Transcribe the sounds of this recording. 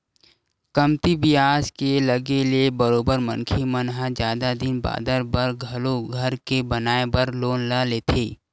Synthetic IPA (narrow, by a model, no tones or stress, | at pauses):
kəmt̪ibɪjaːskelɐɡeliebəɾoːbəɾmə̃nkʰimənɦad͡ʒjaːd̪ad̪ɪnba̰ːd̪əɾbəɾɡʱɐloɡʱɐɾkebɐnaːebəɾloːnlaːleːt̪ʰeː